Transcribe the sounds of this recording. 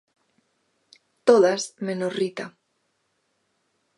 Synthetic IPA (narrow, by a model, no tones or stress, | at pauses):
t̪oðasmenorit̪a